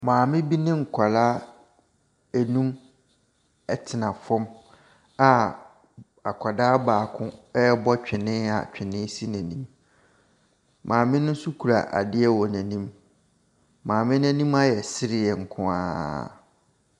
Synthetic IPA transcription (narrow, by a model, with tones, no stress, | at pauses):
mãː˨mɪ̃˦bi˦nɪ̃˦ŋ̩˨kʷʰa˨la˦ | æ˨nũ˦m | ɛ˨tʰɪ˨nã˨fɔ̃˦m | a˨ | a˨kʷʰa˨daː˦baː˨kʰʊ̃˦ɛ˦bɔ˦t͡ɕᶣɪ˨nɪ̃˦a̰˨t͡ɕᶣɪ̃˨nɪ̃˦si˦næ̃˨nĩ˦m | mʔãː˨mɪ̃˦nʊ̃˦n̩˦sʊ˦kʰu˨ɾa̰˨ʔa̰˨dɪ˦ɛ˦wɔ˨næ̃˨nĩ˦m | mãː˨mɪ̃˦næ̃˨nĩ˦ma˦jɛ˨sɪ˦ɾɪ˦˨ɛ˨ŋ̩˨kʰʊ̃˦a̰ː˦˨